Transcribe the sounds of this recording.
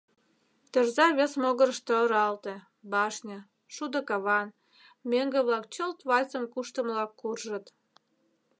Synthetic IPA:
t̪ərzɑβesmoɣəɾəʃt̪oəɾɑlt̪ĕ | bɑʃnʲə̆ | ʃud̪ə̆kɑβɑn | mʲeŋɡeβlɑkt͡ɕolt̪βɑlʲt͡sə̆mkuʃt̪ə̆mlɑkːurʒə̆t̪

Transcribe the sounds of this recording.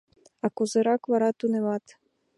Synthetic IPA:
ɑkozeɾɑkβɑɾɑt̪uneβɑt̪

